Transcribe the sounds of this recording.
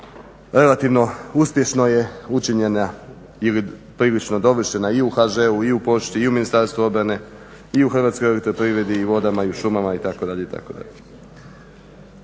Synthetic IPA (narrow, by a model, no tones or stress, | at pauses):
ɾe̞lat̪iʋno̞uspje̞ʃnoje̞ut͡ʃiɲena | ilipɾiːlit͡ʃno̞d̪o̞ʋr̩ʃe̞naiuxaʒeuiupo̞ʃt͡ɕiiuminist̪aɾst̪ʋuo̞d̪bɾane̞ | iuxrʋaːt̪skojolet̪ɾepɾiʋɾe̞d̪iːʋo̞d̪amaiuʃumamait̪ako̞d̪aʎeit̪a̰kod̪a̰ʎe